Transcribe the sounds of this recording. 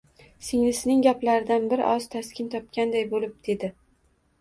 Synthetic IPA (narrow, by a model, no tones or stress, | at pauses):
sɪŋlɪsnɪŋɡʲaplaɾɪd̪anbɪɾʔɒz̥t̪ʰaskʲɪnt̪ʰɒp̚kʲand̪ajbolɪp̚d̪̥e̞d̪ɪ